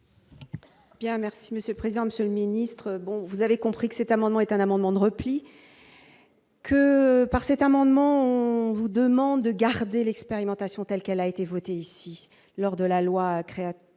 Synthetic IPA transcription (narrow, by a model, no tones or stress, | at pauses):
b̥jɛ̃mɛʁsiməsjølpχezid̪ɑ̃məsjøləminist̪χəbɔ̃vuzavekɔ̃pχikə̥sɛt̪amɑ̃d̪mɑ̃ɛt̪ɛ̃namɑ̃d̪mɑ̃d̪əʁəpli | kʰəpaʁsɛt̪amɑ̃d̪mɑ̃ɔ̃vud̪əmɑ̃d̪ːəɡaʁd̪elɛkspeʁimɑ̃t̪asjɔ̃t̪ɛlkɛlaet̪evɔt̪eisi | lɔʁd̪əlalwakχea